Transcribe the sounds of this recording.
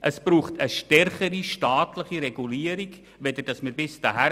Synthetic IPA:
ʔəsb̥ɾuːχtəʃtɛrχəɾiʃtɑːtləχiɾɛɡuliːəɾiɡ | ʋɛd̪əɾd̥ɑsmɪɾbɪsd̥ɑ̰ɦæ

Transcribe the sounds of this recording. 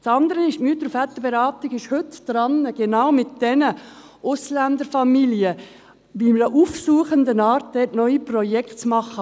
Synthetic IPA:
t͡sɑnd̪əɾəɪʃmyːtəɾfɛt̪ːəb̥eɾɑːt̪ɪɡɪʃhʏtd̥ɾɑnəɡ̥enaʊmɪt̚d̥ɛnə | ʔʊslænd̪əɾfɑmiljə | bimədəʔufsuːəχəndənɑːɾt̚d̥ɛtnœʏiprɔjɛktt͡smɑχə

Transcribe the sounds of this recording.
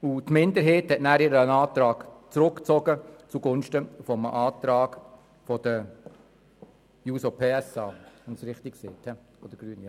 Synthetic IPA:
ut̪mɪnd̪əɾɦeːthɛtnæːɾɪɾəənɑːt̪ɾɑːɡ̥t͡sɾʊkt͡sɔɡət͡suɡʊnʃtəfɔmə̰ʔɑːt̪ɾɑːɡ | fɔd̥̪ə | juːsopʰeːɛsɑːʋɛnsɾɪχt̪ɪkkseːthɛ | od̥̪əɡ̥ɾyən

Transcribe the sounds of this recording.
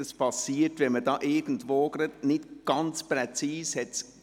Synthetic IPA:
əspʰɑsiːətʋɛnmədɑːʔɪɡ̥ən̩dʋoːɡ̥ɾɑdnɪtɡ̥ɑnt͡spɾɛt͡siːshɛts

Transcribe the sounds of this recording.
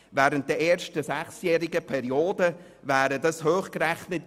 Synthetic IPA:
væːɾənt̚d̥ɛeːɾʃtəsæχsjɛːɾɪɡəpʰɛɾioːdə | væːɾədɑshøːχkɾɛχnət

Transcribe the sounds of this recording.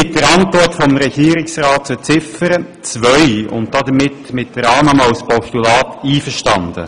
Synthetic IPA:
ɪt̚dəɾɑntʋɔɾtfɔmɾɛɡiːɾɪksrɑːtsət͡sɪfəɾə | t͡sʋœʏʊ̰nt̚d̥̪ɑd̪əmɪtmɪt̚d̥əɾɑːməmɑwspɔstulɑːt̪iːfəɾʃtɑnd̪ə̰

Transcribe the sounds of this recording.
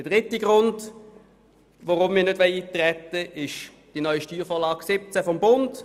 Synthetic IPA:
dəd̥ʁɪtiɡʁʊnd | voʁʊmːɪːɐnødʋɛɪit̪ʁɛt̪ːəʔɪʃ | d̥inœʏiʃtyːʁfɔːlɑːɡ̥sɪp̚t͡sɛfɔmbʊnd

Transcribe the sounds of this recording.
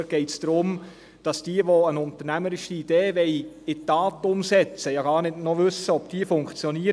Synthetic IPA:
ɡ̥ɛɪtsd̥ɾʊm | d̥ɑsd̥iːəʋoənʊntəɾnæməɾɪʃiːd̥eːʋɛj | ɪtːɑːtʊmsɛt͡səjɑɡɑːɾnɪdnɔʋɵsəɔpd̥iːəfʊŋkt͡sjɔniːəɾ

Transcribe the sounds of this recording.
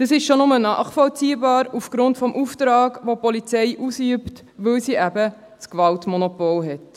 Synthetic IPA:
d̥əsɪʃʃonʊmənɑ̰ːχfɔlt͡siːbɑːɾufɡ̥ɾʊntfɔmʔuftɾɑːɡʋopɔlit͡sɛɪʔusyəpt | ʋɵwsiʔæbə | t͡skvɑltmɔnɔpoːlɦɛt

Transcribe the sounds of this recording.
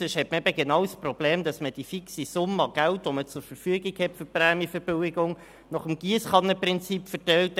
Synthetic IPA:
ɪʃhɛtməɛbəɡenɑwsprɔb̥leːmdɑsməd̥ifiksisʊməɑɡ̥æltʋomət͡sʊɾfəɾfyəɡɪɡhɛtfʏɾprɛːmjiəfəɾb̥øwɪɡʊŋ | nɔχəmɡ̥iəsχɑnəprɪnt͡sipfəɾtɛwt

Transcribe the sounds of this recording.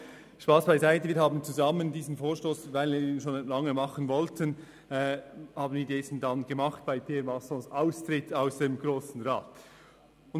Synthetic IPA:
ʃpaːsb̥aɪzaɪtəviːɾhɦaːbn̩t͡suzɑməndiːzən̩foːʃtoːsvaɪlviːɾiːnʃoːnlɑŋəmɑχənvɔltʰən | ɛhɑːbən̩viːɐdɛsn̩dɑnɡ̥əmɑχt̚b̥aɪpʰeːɛɾmɑsɔ̃saʊstʁɪtʰaʊsd̥emɡɾoːsn̩ʁaːt | ʊn

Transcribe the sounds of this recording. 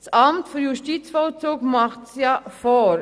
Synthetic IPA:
sʔɑmtfyjuʃtiːt͡sfɔlt͡suːɡmɑχtsjɑfoː

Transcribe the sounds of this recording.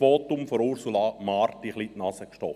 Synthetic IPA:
ʋoːt̪ʊmfɔɾuɾsulɑmɑrtiχlitnɑsəkʃtɔ

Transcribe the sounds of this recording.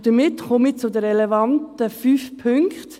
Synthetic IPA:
d̥əmɪtχɔmɪt͡sʊdəɾɾɛlɛvɑntəfyːfpʰʏŋkt

